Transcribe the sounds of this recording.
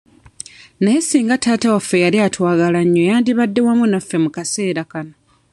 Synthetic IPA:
najesiːŋɡataːtawafːe̞jaliatwaːɡalaɲːojaːndiβadːe̞wamunafːe̞mukase̞ːɾakano

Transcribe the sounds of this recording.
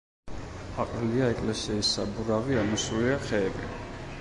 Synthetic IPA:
aqʼɾiliaɛkʼlɛsiːsːabuɾaviamisuliaχɛːbi

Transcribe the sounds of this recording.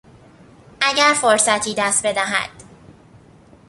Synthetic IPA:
ʔæɟæɾfoɾsæt̪ʰiːd̪æst̪̚be̞d̪æɦæ̰d̪̥

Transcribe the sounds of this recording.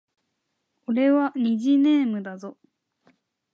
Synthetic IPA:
oɾe̞βaɲ̟iʑinẽ̞ːmɯ̟d̪azo̞

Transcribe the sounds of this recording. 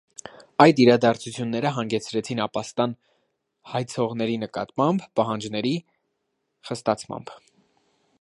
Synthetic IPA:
ɑjd̪iɾɑd̪ɑɾt͡sʰut͡sʰjunːɛɾəɦɑŋɡɛt͡sʰɾɛt͡sʰinɑpɑst̪ɑn | hɑjt͡sʰɔʁnɛɾinəkɑ̰t̪mɑmbpɑɦɑnd͡ʒnɛɾi | χəst̪ɑt͡sʰmɑ̰mb

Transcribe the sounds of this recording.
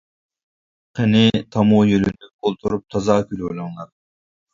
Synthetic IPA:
qʰɛnɪt̪ʰɑmujølynykʰolˠt̪ʰuɾup̚t̪ʰɑzɑːkʲʰylolˠɑŋlˠɑɾ

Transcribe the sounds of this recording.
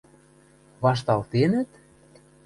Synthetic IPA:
βɑʃ̬t̪ɑlt̪enə̆t̪

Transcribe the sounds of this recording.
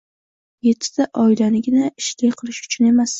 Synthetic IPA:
je̞t̪ʰːɪ̥d̪̥aʔɒɪlanɪɡʲɪnaɪʃlɪjqʰɨlˠɪʃʊ̥t͡ʃʰʊne̞mas

